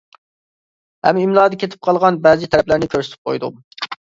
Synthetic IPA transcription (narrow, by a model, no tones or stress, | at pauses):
hɛ̰mimlˠɑːd̪ɑkʲet̪ʰɪ̥p̚qʰɑlˠʁɑnbɛzɪt̪ʰɛɾɛplæɾnɪkʲʰøɾsɪ̥t̪ɪ̥p̚qʰo̰jd̪u